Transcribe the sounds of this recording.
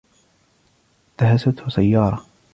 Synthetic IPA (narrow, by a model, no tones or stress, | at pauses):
d̪aɦasat̪hʊsajːɑːɾˤɑ